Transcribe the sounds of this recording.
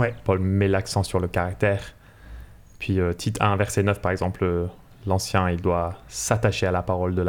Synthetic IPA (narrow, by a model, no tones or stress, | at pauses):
wɛpɔlmɛlaksɑ̃syʁləkaʁak̚t̪ɛːʁ | pʰɥiøt̪ʰit̪ɛ̃vɛʁsenœfpaʁɛɡzɑ̃pl | lɑ̃sjɛ̃ild̪wasat̪aʃealapaʁɔld̪əla